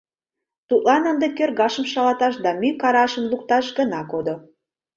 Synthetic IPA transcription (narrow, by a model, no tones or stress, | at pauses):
t̪ut̪̚lɑnənd̪ekørɣɑʃəmʃɑlɑt̪ɑʃd̪ɑmykɑɾɑʃəmlukt̪ɑʃɡənɑkod̪o